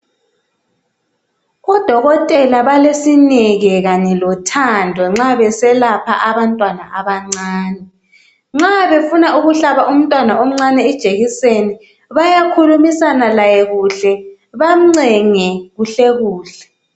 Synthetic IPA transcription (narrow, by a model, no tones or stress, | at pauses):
ɣɔd̥ʱɔɣɔtʼɛlaβalesinɛɣɛɣaɲɛlɔtʰandʱɔŋ͡ǁaβɛsɛlapʰa̰ʔaβantʼwanaʔaβaŋ͡ǀaaːnɛ | ŋ͡ǁaβefunauɣuɬaβaum̩tʼwanaom̩ŋ͡ǀanɛɛd̥ʒ̥ʱeɣiseni | βajakʰulumisanalajɛɣuɬɛ | βam̩ŋ͡ǀɛŋɛɣuɬɛɣuːɬɛ̥